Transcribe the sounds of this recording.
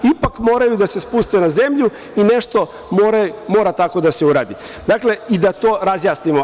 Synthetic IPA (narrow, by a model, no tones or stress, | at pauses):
ipakmo̞ːɾajud̪ase̞spust̪enaze̞mʎu | ine̞ʃt̪o̞ | moːɾamo̞ːɾat̪ako̞d̪ase̞uɾa̰ːd̪i | d̪akle̞id̪at̪oːɾazjaːsnimo